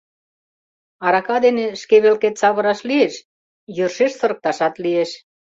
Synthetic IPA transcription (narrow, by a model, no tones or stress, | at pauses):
ɑɾɑkɑd̪eneʃkeβelket̪t͡sɑβə̆ɾɑʃlieʃ | jørʃeʃsɤ̆ɾə̆k̚t̪ɑʃɑt̪lieʃ